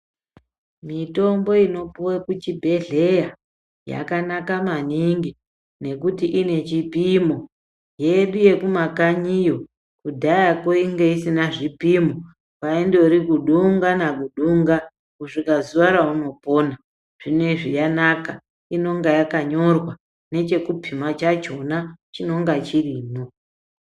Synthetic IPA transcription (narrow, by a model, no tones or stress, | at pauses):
mito̞mbo̞ino̞puwekut͡ʃibʱe̞ɮe̞ja | ja̰kanakamaniŋɡi | ne̞kutiʔine̞t͡ʃipimo̞ | je̞ɗuje̞kumakaɲijo̞ | kudʱajakoiŋɡeisinaʐipimo | kaendoɾikuɗuŋɡanakuɗuŋɡa | kuʐikazuʋaɾauno̞po̞ːna | ʐ̥ine̞ʐijanaka | ino̞ŋɡajakaɲo̞rwa | ne̞t͡ʃe̞kupʰimat͡ʃat͡ʃonat͡ʃino̞ŋɡat͡ʃiriːno